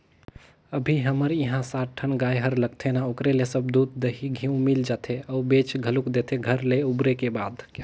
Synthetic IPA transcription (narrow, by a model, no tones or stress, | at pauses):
əbʱiɦəməɾiɦãsatʈʰənɡajɦəɾləɡ̚t̪ʰenaokɾelesəb̚d̪ud̪̚d̪əɦiɡʱiũmild͡ʒat̪ʰeəubet͡ʃɡʱəlukd̪et̪ʰeɡʱəɾleubɾekebad̪k